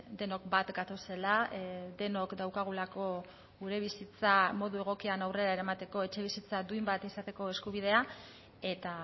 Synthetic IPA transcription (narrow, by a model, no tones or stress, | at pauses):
d̪e̞no̞kbat̪ɡat̪o̞se̞lad̪e̞no̞kd̪awkaɣ̞ulako̞ | ɣuɾe̞β̞isit͡samo̞ðue̞ɣ̞o̞kianawre̞ɾaeɾamat̪e̞ko̞e̞t͡ʃe̞β̞isit͡sad̪uimbat̪isat̪e̞ko̞e̞skuβ̞iðe̞a | e̞t̪a